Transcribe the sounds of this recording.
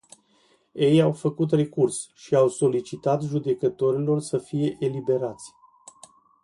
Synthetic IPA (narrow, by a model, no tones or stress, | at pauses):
je̞jawfəkut̪̬re̞kursʃiawso̞lit͡ʃit̪at̪ʒud̪e̞kət̪o̞ɾilo̞rsəfije̞ʔelibe̞ɾat̪sʲ